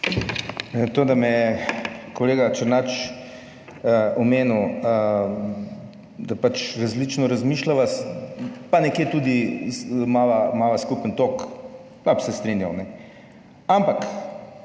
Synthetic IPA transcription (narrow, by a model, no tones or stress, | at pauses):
t̪oːd̪amɛjɛkoleːɡat͡ʃəɾnat͡ʃ | ɔmeːnu | d̪apat͡ʃɾazlit͡ʃnɔɾazmiʃlaʋas | panɛkjeːt̪uːd̪i | maːʋamaʋaskupənt̪ok | papsɛst̪ɾinjawnɛ | ampak